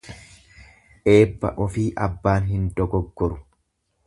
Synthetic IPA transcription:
ʔe̞ːbːɐ̰ʔɔfiːʔɐbːaːnɦɪnd̪ɔɡɔɡːɔɾʊ

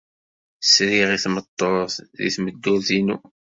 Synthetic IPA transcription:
sɾiʁiθmət̪ˤːəˤθðḭθməd̪ːuɾθinṵ

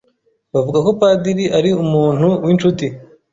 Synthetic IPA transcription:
βavuɡako̞paːdiɾiʔaɾiumuːn̥huwint͡ʃuti

